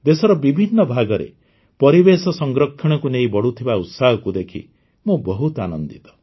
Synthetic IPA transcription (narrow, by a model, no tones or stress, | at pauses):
d̪esɔɾɔbibʱinːɔbʱaɡɔɾḛ | pɔɾibesɔsɔŋɡɾɔkʰːɔɽ̃ɔkunejibɔɽut̪ʰibaut̪saɦɔkud̪ekʰḭ | mũbɔɦut̪anɔnd̪it̪ɔ̥